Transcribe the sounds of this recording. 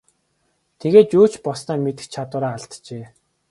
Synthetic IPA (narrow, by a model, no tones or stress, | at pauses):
t̪ʰeɣeːt̪t͡ɕuːt͡ɕpɔsnaːmet̪ɘ̆xt͡ɕʰat̪ʊːɾaːaɮt̪t͡ɕeː